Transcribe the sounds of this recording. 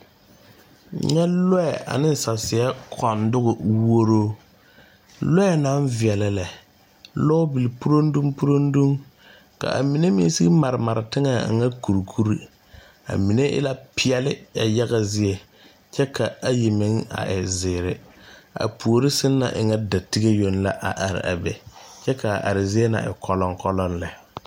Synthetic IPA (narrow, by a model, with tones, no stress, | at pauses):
ɲɛ˦lɔ˦ɛ˨a̰˨nɪ˦n˨sa˨sɪ˨ɛ˦kʰɔ˨ndʊ˦ɣʊ˨wo˦ɾoː˦ | lɔ˦ɛ˨naː˨˦nvɪ˨ɛ˨la˨lɛ˨ | lɔ˦bi˨li˨pu˦ɾo˦n˦du˦mpu˦ɾo˦ndu˦m | ka̰˨ʔa̰˨mi˨ne˦mḭ˦si˦ma˨ɾɪ˨ma˨ɾɪ˨tɪ˦ŋa˨ŋa˦ku˨ɾkʰu˦ɾi˦ | a̰˨mi˨ne˦ʔɪ̰˦la˦pʰɪ˦ɛ˦lɪ˦ja˨ja˦ɣa˦zɪ˦e˨ | t͡ʃɛ˦kʰa˨a˨ji˨mɪ˨˦ŋa̰˨ʔɪ˨zɪː˨ɾɪ˨a̰˨pʰu˨o˨ɾi˦sɪ˦nːa̰˨ʔɪ̰˨ŋa˦da˨ti˦ɡe˦jo˦nla˦ʔa̰˨ʔa˨ɾɪ̰˨a̰˨bɛ˨t͡ʃɛ˦ka˨ʔa̰˨ɾɪ˨zi˦e˦na̰˨ɪ̰˨kʰɔ˦lɔ˦ŋkɔ˦lɔ˦nlɛ˨